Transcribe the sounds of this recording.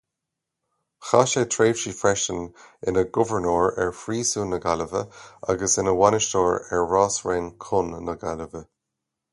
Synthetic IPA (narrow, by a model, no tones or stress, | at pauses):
xaʃetʰɹeːv̥ʃiːfɹɛʃənɪnəɡʊvəɹnoːɹɛɹfɹiːsuːnəɡaləvə̰a̰ɡəsɪnəwanɪʃtoːɹɛɹːaːsɹeːnkʰʊnːəɡaləvə